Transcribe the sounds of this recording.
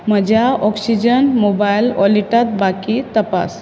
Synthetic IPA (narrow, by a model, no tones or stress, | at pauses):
məd͡ʒaɔksid͡ʒənmobajlɔ̰liʈət̪̚bakit̪əpa̰s